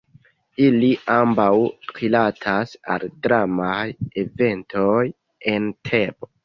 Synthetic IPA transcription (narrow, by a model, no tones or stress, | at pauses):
iliʔambawɾilatʰasa̰ldɾamajeve̞ntʰoj | e̞ntʰe̞bo